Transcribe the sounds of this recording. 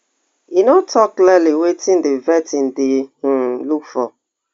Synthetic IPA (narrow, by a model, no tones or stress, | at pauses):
inotʰɔklɛliwetʰĩn̩dɪvɛtin̩dɪh̩lukfɔ